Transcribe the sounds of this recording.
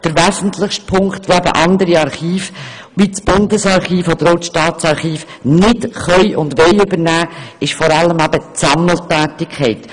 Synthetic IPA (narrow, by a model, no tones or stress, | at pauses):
d̥əɾʋæzən̩tlɪχʃt̚pʰʊŋktvʋoæbə̰ʔɑnd̪əɾiɑɾχiːf | ʋit͡sb̥ʊndəsɑɾχiːfɔd̪əɾɔwtʃtɑːtt͡sɑɾχiːf | nɪtχœʏjʔʊndʋejʏbəɾnæːɪʃfɔɾɑlːəmæb̥ət͡sɑml̩tæːtɪkʰχɛɪt